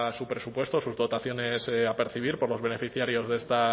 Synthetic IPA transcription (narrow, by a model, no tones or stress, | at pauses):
supɾe̞supwe̞st̪osuzðo̞t̪aθjo̞ne̞sape̞ɾθiβ̞iɾpo̞ɾlo̞zβe̞ne̞fiθjaɾjo̞zðe̞st̪a